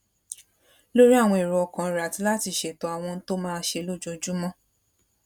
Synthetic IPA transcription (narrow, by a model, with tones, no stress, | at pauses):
lo˦ɾi˦a˦˨w̃ɔ̃˧i˨ɾu˨ɔ˧kã˨ɾa˨ti˧˦la˦ti˧˨ʃe˨to˧˦a˨w̃ɔ̃˧n̩˦to˦mãː˦˧˦ʃe˧lo˦˨d͡ʒo˧d͡ʒu˦mɔ̃˦